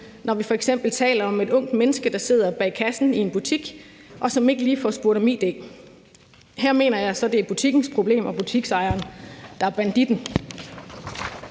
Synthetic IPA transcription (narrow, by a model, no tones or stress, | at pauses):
nɒʋifɒ̽eɡ̥sem̰b̥l̩t͡sʰɛ̰ːlɐɒ̽me̝d̥ɔ̽ŋ̰d̥menəsɡ̥əd̥ɑ̈se̝ð̞̰ˠɐb̥ɛ̰ːkʰæsn̩ie̝nb̥ut͡sʰiɡ̥ | ʔɒ̽sɒ̽me̝ɡ̥əliːfɒ̰sb̥uɐɾɐmiːd̥e̝̰ | hæɐ̰me̝ːnɐjɑ̈ɪsɒ̽d̥e̝æb̥ut͡sʰiɡ̥n̩spʰʁo̝b̥le̝̰ːmʔɒ̽b̥ut͡sʰiɡ̥sɑ̈ɪɐːnd̥ɑ̈æɐb̥ænd̥id̥n̩